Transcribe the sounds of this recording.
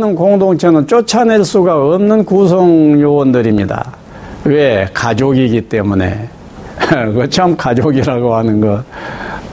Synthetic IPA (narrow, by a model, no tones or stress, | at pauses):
nɯnkoŋdoŋt͡ɕʰenɯnt͡ɕ͈ot͡ɕʰaneɭs͈uɡaʌmnɯnkus̬ʰʌŋjowʌndɯɾimɲida̰ | we̞kad͡ʑoɡiɡit͈e̞mune̞̰ | kʌt͡ɕʰamkad͡ʑoɡiɾaɡohanɯnɡʌt̚